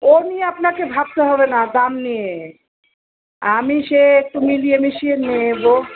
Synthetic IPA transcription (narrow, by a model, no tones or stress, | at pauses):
onijeapnakebʱab̚t̪eɦɔbenad̪amnije | amiʃeek̚ʈumilijemiʃienebo